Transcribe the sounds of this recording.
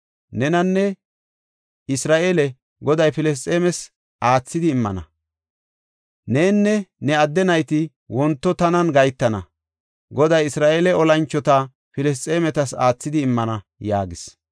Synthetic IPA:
nɛnɐnːɛ | ɪsɾaːʔeːlɛ | ɡɔd̪ɐjpɪlɛs̬t͡sʼːeːmɛs | ʔaːt͡sːɪd̪ɪːmːɐ̰nɐ | ne̞ːnːɛnɛɐd̪ːɛnɐjt̪ɪ | wɔnt̪ːɔt̪ɐnɐnɡɐjt̪ːɐnɐ | ɡɔd̪ɐjɪsɾaːʔeːlɛɔlɐnt͡ʃːɔt̪ɐ | pɪlɛs̬t͡sʼeːmɛt̪ɐsaːt͡sːɪd̪ɪːmːɐnɐ | ja̰ːɡɪs

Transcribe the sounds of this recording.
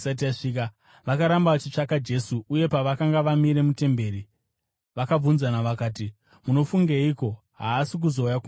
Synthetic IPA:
sat̬iaʂika | ʋakaɾambat͡ʃit͡ʂakad͡ʒe̞suuje̞paʋakaŋɡaʋamiɾe̞mute̞mbe̞ːɾi | ʋakab͡vunzanaʋakaːt̬i | muno̞fuŋɡeiko̞ | ɦaːsik̬uzo̞ujaku

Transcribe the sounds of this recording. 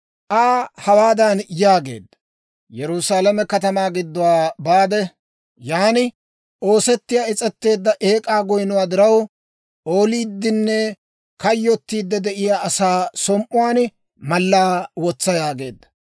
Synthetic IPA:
ʔaːhɐwaːd̪ɐnjaːɡe̞̰ːd̪ːɐ | jɛɾʊsaːlɐmɛkɐt̪ɐmaːɡɪd̪ːʊwaːbaːd̪ɛ | jaːnɪ | ʔo̞ːsɛt̪ːɪjaːɪt͡sʼɛt̪ːe̞ːd̪ːɐʔeːkʼaːɡɔjnʊwaːd̪ɪɾɐw | ʔo̞ːliːd̪ːɪnːɛ | kɐjːɔt̪ːiːd̪ːɛd̪ɛʔɪjaːɐsaːsɔmʔʊwaːn | mɐlːaːwɔt͡sːɐjaːɡe̞̰ːd̪ːɐ̥

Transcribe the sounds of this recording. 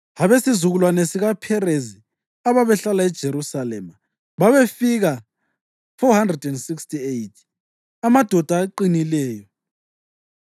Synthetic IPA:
haβesizuɣulwanesiɣapʰɛrezi | aβaβɛɬalaɛd̥ʒ̥ʱeɾusalɛma | βaβefiɣa | fɔhandrɛdɛndsikstʰʼiejtʰ | amad̥ʱɔd̥ʱaːǃinilɛːjɔ

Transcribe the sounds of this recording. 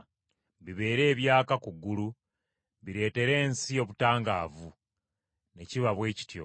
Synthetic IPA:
βiβe̞ːɾe̞ːβjaːkakuɡːulu | βiɾe̞ːte̞ɾe̞ːnsio̞βutaːŋɡa̰ːvu | ne̞ciβaβwe̞ːci̥tjo̞̰

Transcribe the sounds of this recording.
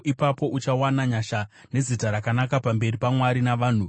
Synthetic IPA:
ipapo̞ʔut͡ʃawanaɲaʃa | ne̞zitaɾakanakapambe̞ripamwaɾinaʋaːn̤u

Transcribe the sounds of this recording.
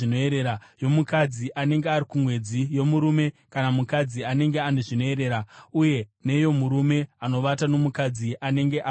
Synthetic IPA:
inoeɾeɾajo̞mukad͡ziʔane̞ŋɡeaɾikumwe̞d͡zijo̞muɾume̞kanamukad͡ziane̞ŋɡe̞ane̞ʐino̞e̞ɾe̞ːɾauje̞ne̞jo̞muɾume̞ano̞ʋatano̞mukad͡ziʔane̞ŋɡe̞ʔa

